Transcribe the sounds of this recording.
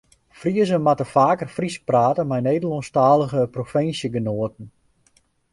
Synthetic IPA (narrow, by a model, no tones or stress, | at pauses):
friəzənmatəfaːkərfrispraːtəmɛjneːdəlˠɔnstaːlˠəɣəprofɪnsjəɡənoətən̩